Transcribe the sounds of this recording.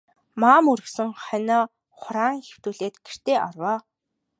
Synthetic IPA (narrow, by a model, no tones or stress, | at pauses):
maːmɵɾɵ̆ksɘ̆ŋχœnɔː | χʊɾaːŋxew̥t̪uːɮeːt̪ɡ̥er̥t̪eːʔarwaː